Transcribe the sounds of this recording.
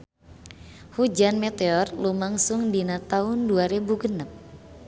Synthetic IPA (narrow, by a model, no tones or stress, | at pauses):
hud͡ʒanmɛt̪eɔrlumaŋsʊŋdinat̪aʊnduaɾebuɡənəp̚